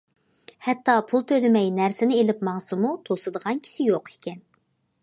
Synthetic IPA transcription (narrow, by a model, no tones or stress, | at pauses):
hɛt̪ːɑpʰulˠt̪ʰølɪmɛjnæɾsɪnɪelɪpmɑŋsɨmut̪ʰosɨd̪əʁɑnkʲʰi̥sɪjoqe̥kʲɛn